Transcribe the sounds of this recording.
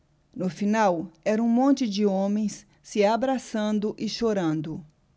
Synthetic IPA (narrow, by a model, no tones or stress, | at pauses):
nʊfinawɛɾɐũmõnt͡ʃɪd͡ʒɪõmẽj̃s | sɪabɾasɐ̃nd̪ʊʔɪʃoɾɐ̃nd̪ʊ